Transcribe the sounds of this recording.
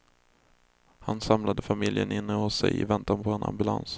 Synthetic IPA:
hansamlad̪əfamɪljənʔɪnːəhʊsːɛ̰jɪvɛnt̪anpʰɔɛnʔa̰mbɵla̰ns

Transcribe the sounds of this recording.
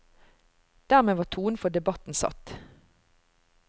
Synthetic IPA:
d̪̥æʁmeːʋɑːt̪ʰuːnfɔd̪ɛbɑt̪n̩sɑ̰t̪

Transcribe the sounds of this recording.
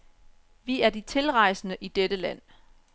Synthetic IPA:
ʋiæɐdit͡sʰe̝lʁɑ̈ɪ̰snəʔid̥eɾəlæn̰

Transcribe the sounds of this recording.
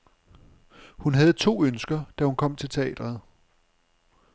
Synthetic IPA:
hunɦæð̞̩ˠt͡sʰo̝̰ːønsɡ̥ɐd̥æhunkʰɒ̽m̰t͡sʰe̝lt͡sʰe̝ɛ̰ːd̥ɐð̩ˠ

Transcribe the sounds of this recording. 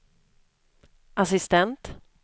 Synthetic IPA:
ʔasɪst̪ɛnt̪

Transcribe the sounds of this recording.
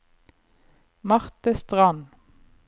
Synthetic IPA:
mɑʁt̪əst̪ʁɑn

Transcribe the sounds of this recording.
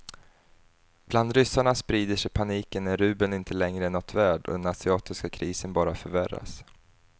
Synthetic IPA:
b̥land̪ɾʏsaɳaspɾiːd̪əʂɛjpʰaniːkənːæɾʉ̟ːbənɪnt̪ʰəlɛŋɾəɛnːɔt̪ʰvæːɖɔ̰d̪ɛnasɪɑːt̪ɪskakʰɾiːsənbɑːɾafœɾvæɾa̰s

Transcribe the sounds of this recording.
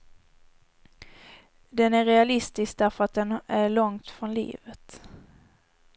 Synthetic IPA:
d̪ɛnæɾːɛalɪst̪ɪsk̚d̪æɾfœɾat̪̚d̪ɛnæɭɔŋt̪fɾɔnlḭːvət̪

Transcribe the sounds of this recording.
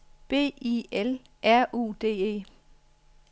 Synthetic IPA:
b̥e̝̰ːiel | ʔæɐ̰ʔṵːd̥e̝̰ːe̝̰ː

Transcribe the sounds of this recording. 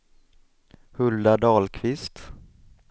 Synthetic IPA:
hɵld̪aɖ̪ɑːlkʰvɪst̪

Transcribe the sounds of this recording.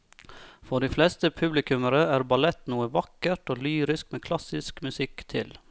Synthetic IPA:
fɔɖiːflɛːst̪əpʰʉblɪkʉməɾəæːɾbɑlɛt̪nuːəʋɑkəʈoːlyːɾɪskmeːkʰlɑsɪskmʉsɪkt̪ʰɪ̰l

